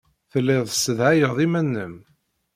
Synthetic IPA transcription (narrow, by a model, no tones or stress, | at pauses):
θəlːɪðˤsəðæjəðˤimænːəm